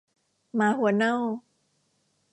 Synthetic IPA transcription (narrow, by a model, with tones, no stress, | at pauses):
maː˨˦hu˨˩˦na˥w